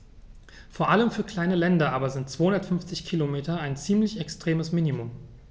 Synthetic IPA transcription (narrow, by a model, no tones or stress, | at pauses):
foːɐʔaləmfyːɐkl̥aɪnəlɛndɐʔaːbɐzɪnt̚t͡sv̥oːhʊndɐtfʏnft͡sɪçkʰilomeːtɐaɪnt͡siːmlɪçɛkstʁ̥eːməsmiːnimʊm